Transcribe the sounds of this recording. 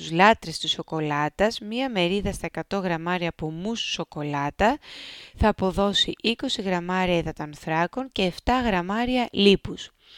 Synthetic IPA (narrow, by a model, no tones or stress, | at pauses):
uzlɐt̪ɾe̞st̪iso̞ko̞lɐt̪ɐzmɲɐme̞ɾiðɐst̪ɐekɐt̪o̞ɣɾɐmɐɾiɐpumusso̞ko̞lɐt̪ɐθɐːpo̞ðo̞siʔiko̞siɣɾɐmɐɾiɐiðɐt̪oɐnθɾɐko̞ɲce̞ːft̪ɐɣɾɐmɐɾiɐlipus